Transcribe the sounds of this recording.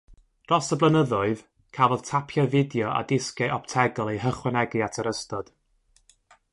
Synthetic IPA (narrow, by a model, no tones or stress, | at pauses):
rɔsəblˠənəðʊɨð | kʰavð̥tʰapʰjavɪdjɔa̰dɪskɛʔɔp̚tʰɛɡɔlˠehəχwɛnɛɡɨatʰəɾəstɔd̥